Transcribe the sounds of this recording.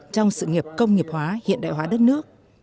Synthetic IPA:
t͡ɕɔ˧wŋ͡msɨ̰˧˨ŋi˨˩əp̚kə˧wŋ͡mŋi˨˩əp̚hwaː˨˦hḭ˧˨ənɗa̰ː˧˨jɦwaː˨˦ɗə˦˥t̚nɨ˦˥ək̚

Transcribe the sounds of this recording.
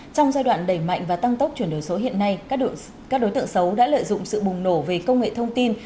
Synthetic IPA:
t͡ɕɔ˧wŋ͡mzaː˧jɗwa̰ː˧˨nɗə˧˩jma̰˧˨jŋ̟vaː˨˩t̪a˧ŋt̪ə˦˥k͡p̚t͡ɕwi˧˩ənɗo˨˩jso˨˦ɦḭ˧˨ənːa˧j | ka˦˥k̚ɗo˨˦jt̪ɨ̰˧˨əŋsə˨˦wɗa̰ː˧˥lə̰ː˧˨jzʊ̰˧˨ŋ͡msɨ̰˧˨ɓʊ˨˩ŋ͡mno˧˩ve˨˩kə˧wŋ͡mŋḛ˧˨t̪ʰə˧wŋ͡mt̪i˧n

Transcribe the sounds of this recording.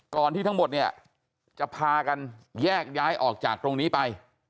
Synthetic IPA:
kɔː˨˩nt̪ʰiː˥˩˦mo˨˩t̪̚ni˥˩ɐə | t͡ɕa˨˩pʰaː˧ka˧njɛː˥˩k̚jaː˦˥jʔɔ̰ː˨˩k̚t͡ɕaː˨˩k̚t̪ɾo˧ŋniː˦˥pa˧j

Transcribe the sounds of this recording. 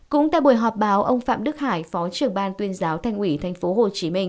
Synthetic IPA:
kʊ̰˧˥ŋ͡mt̪a̰˧˨jɓu˧˩jɦɔ˨˩p̚ɓaː˨˦wʔə˧wŋ͡mfa̰ː˧˨mɗɨ˦˥k̚haː˧˩jfɔ˨˦t͡ɕɨ˨˩əŋɓaː˧nt̪wi˧ənzaː˨˦wt̪ʰa˧jŋ̟ʔi˧˩t̪ʰa˨˩jŋ̟fo˨˦ɦo˨˩t͡ɕi˨˦mï˧ŋ̟

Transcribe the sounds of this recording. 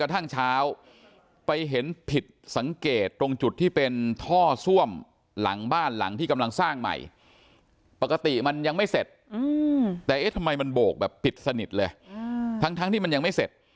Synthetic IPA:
ka˧t̪ʰa˥˩ŋt͡ɕʰaː˦˥w | pa˧jɦe˩˦npʰi˨˩t̪̚sa˩˦ŋkeː˨˩t̪ːo˧ŋt͡ɕu˨˩t̪ʰːiː˥˩pe˧nt̪ʰɔː˥˩su˥˩əm | la̰˩˦ŋbaː˥˩nla̰˩˦ŋt̪ʰiː˥˩ka˧mla˧ŋsaː˥˩ŋma̰˨˩j | pa˨˩ka˧t̪i˨˩ma˧nja˧ŋma˥˩jse˨˩t̪̚ɯː˧t̪ɛː˨˩ʔe˦˥˩t̪ʰa˧mːa˧jma˧nboː˨˩k̚bɛː˨˩pʰːi˨˩t̪̚sa˧ni˨˩t̪̚lɤː˧jt̪ʰa˦˥ŋt̪ʰa˦˥t̪ʰiː˥˩ma˧nja˧ŋma˥˩jse˨˩t̪̚

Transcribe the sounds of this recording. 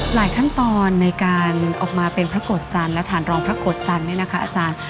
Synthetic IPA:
laː˩˦jkʰa˥˩nt̪ɔː˧nːa˧jkaː˧nʔɔː˨˩k̚maː˧pe˧npʰɾa˦˥koː˨˩t̪̚t͡ɕa˧nlɛ˦˥wt̪ʰaː˩˦nɾɔː˧ŋpʰɾa˦˥ko˨˩t̪̚t͡ɕa˧nːi˥˩ɐna˦˥kʰa˦˥ʔaː˧t͡ɕaː˧n

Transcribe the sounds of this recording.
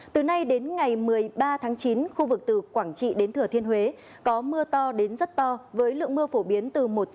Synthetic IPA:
t̪ɨ˨˩na˧jɗe˨˦nŋa˨˩jmɨ˨˩əjɓaː˧t̪ʰaː˨˦ŋt͡ɕi˨˦nxu˧vɨ˨˩k̚t̪ɨ˨˩kwaː˧˩ŋt͡ɕḭ˧˨ɗe˨˦nt̪ʰɨ˧˩ət̪ʰi˧ənɦwe˨˦ | kɔ˨˦mɨ˧ət̪ɔ˧ɗe˨˦nzə˦˥t̚t̪ɔ˧vəː˨˦jlɨ̰˧˨əŋmɨ˧əfo˧˩ɓi˨˦ənt̪ɨ˨˩mo˨˩t̚

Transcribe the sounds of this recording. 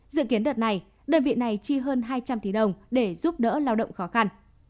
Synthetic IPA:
zɨ̰˧˨ki˨˦ənɗə˨˩t̚na˨˩j | ɗəː˧˩nvḭ˧˨na˨˩jt͡ɕi˧ɦəː˧nɦaː˧jt͡ɕa˧mt̪i˧˩ɗə˨˩wŋ͡mɗe˧˩zu˦˥p̚ɗə̰ː˧˥laː˧wɗə̰˧˨wŋ͡mxɔ˨˦xa˧n

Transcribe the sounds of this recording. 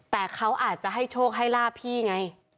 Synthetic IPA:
t̪ɛː˨˩kʰa˦˥wʔaː˨˩t̪̚t͡ɕa˧˦ɦa˥˩jt͡ɕʰoː˥˩k̚ɦa˥˩jlaː˥˩pʰiː˧˥˩ŋa˧˥j

